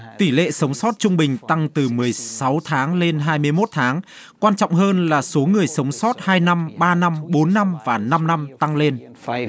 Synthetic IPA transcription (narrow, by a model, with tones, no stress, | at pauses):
t̪i˧˩lḛ˧˨sə˨˦wŋ͡msɔ˦˥t̚t͡ɕʊ˧ŋ͡mɓï˨˩ŋ̟t̪a˧ŋt̪ɨ˨˩mɨ˨˩əjsa˨˦wt̪ʰaː˨˦ŋle˧nɦaː˧jmɨ˧əjmo˦˥t̚t̪ʰaː˨˦ŋ | kwaː˧nt͡ɕɔ̰˧˨wŋ͡mɦəː˧nlaː˨˩so˨˦ŋɨ˨˩əjsə˨˦wŋ͡msɔ˦˥t̚haː˧jna˧mɓaː˧na˧mɓo˨˦nːa˧mvaː˨˩na˧mna˧mt̪a˧ŋle˧n